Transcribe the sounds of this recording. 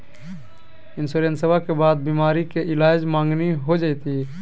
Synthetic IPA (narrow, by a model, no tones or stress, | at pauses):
ɪnsuɾensəbʱakebaːd̪̚bimaːɾikeɪlaːd͡ʒmãːŋɡniɦod͡ʒaɪt̪i